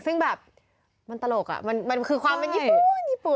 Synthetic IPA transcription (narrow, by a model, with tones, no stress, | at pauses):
sɯ˥˩ŋbɛː˨˩p̚ | ma˧nt̪a˧lo˨˩k̚a̰˨˩ma˧nma˧nkʰɯː˧kʰwaː˧mpe˧njiː˦˧˥pu˨njiː˦˥˩pu˨˩